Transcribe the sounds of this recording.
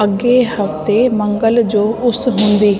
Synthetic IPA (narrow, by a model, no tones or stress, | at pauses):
əɡːehəftt̪eːmə̃ŋɡəld͡ʒoːʔʊsɦʊ̃nd̪iː